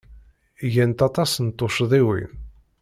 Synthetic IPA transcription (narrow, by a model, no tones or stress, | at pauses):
ʝænt̪ɑt̪ˤɑsənt̪ˤːoʃðˤiwḭ